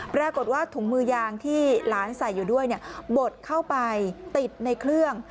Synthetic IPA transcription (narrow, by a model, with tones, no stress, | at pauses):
pɾaː˧ko˨˩t̪̚waː˥˩t̪ʰuː˩˦ŋmɯː˧jaː˧ŋt̪ʰiː˥˩laː˨˦˥nsa˨˩jːuː˨˩du˥˩əjni˥˩bo˨˩t̪̚kʰa˥˩wpa˧jt̪i˨˩t̪̚na˧jkʰlɯ˥˩əŋ